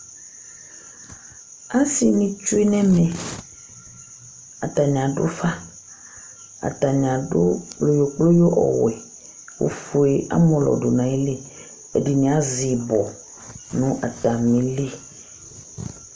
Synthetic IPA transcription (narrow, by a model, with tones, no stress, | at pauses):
a˦si˦nĩ˨t͡ʃu˦e˦nɛ̃˦mɛ̃˨ | a̰˨ta˨ɲ˨ã˨dʊ̰˦fa˦ | a̰˨ta˨ɲ˨ã˨dʊ˦k͡plo˦jo˨k͡plo˦jo˦ʔɔ̰˨wɛ˨ | o̰˨fu˨e˨a̰˦mɔ̃˨lɔ̰˨dʊ˨nã˨i˦le˦ | ɛ˨di˨nĩ˨a˦zi˨bɔ˨ | nʊ̃˦ʔa˨ta˨mĩ˨li˦